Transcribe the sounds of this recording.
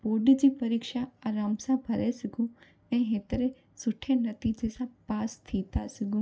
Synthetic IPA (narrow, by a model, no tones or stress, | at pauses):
poːɾɖd͡ʑiːpɐɾiːkʃaaːɾaːmsãbʱɐɾesɐɡũ | ɛ̃ːɦet̪ɾe | sʊʈʰenɐt̪iːd͡ʑesãpaːst̪ʰiːt̪asɐɡũː